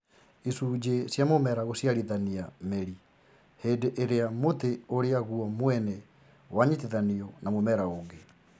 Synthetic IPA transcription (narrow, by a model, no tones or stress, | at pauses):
isud͡ʒesjamomɛɾaɣosjaɾiðaniameɾi | heːndeʔeɾeamot̪eoɾeaɣuɔmwɛnɛ | waɲit̪iðaniɔnamomɛɾaoɡe